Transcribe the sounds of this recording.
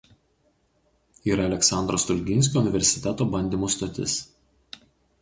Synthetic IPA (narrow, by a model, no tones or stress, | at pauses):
iːɾɐːlʲɛksɑˑnd̪ɾoːst̪ʊlʲɡʲɪnʲsʲkʲoʊnʲɪʋʲɛɾʲsʲɪ̥t̪ʲɛt̪oːbɐnʲd̪ʲiːˑmuːst̪ɐt̪ʲɪ̰s